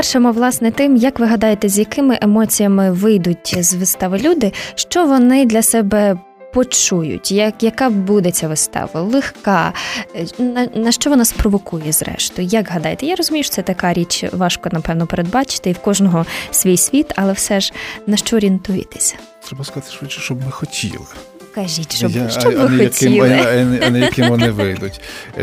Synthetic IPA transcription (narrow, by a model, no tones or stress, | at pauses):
pɛrʃemɔʋlˠɑsnɛt̪ɪmjɐkʋɪɦɐd̪ɑjet̪ɛzʲjɐkɪmɪʔemɔt͡sʲijɐmɪʋɪjd̪ʊtʲzʋɪst̪ɑʋɐlʲud̪ɪʃt͡ʃɔʋɔnɪd̪lʲɐsɛbɛ | pɔt͡ʃujʊ̰tʲjɐkjɐkɑbud̪et͡sʲɐʋɪst̪ɑ̰ʋɐ̰lˠɪxkɑ | nɐnɐʃt͡ʃɔʋɔnɑsprɔʋɔkujɛzɾɛ̰ʃt̪ʊjjɐɡɦɐd̪ɑjet̪ɛjaɾɔzʊmʲijʊʃɔ̥sɛt̪ɐkɑɾʲit͡ʃʋɑʃkɔnɐpɛwnɔpeɾed̪̚bɑt͡ʃɪ̥t̪ɪiwkɔʒnɔɦɔsʲʋʲijsʲʋʲit̪ɐlˠɛwsɛʒnɐʃt͡ʃɔɔɾʲiint̪ujɪ̰t̪ɪ̥sʲɐ̥ | t̪ɾɛbɐskɐzat̪ɪ̥ʃʋɪt͡ʃɪ̥ʃt͡ʃɔbmɪxɔtʲʰḭlˠɪ | kɐʒitʲʃɔʃt͡ʃɔbʋɪxɔɐtʲɪilˠnɐnɛjɐkɪmʋɔnɪʋɪjd̪ʊtʲ